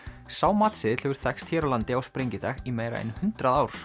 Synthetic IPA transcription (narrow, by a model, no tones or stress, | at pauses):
saːwmat̪sɪðl̥ʏɣʏɾ̥θɛkst̪ʰjɛːɾalant̪ɪawspɾejɲcɪθʰɛximejɾa̰ɛ̰nhʏnt̪ɾaðaːwɾ̥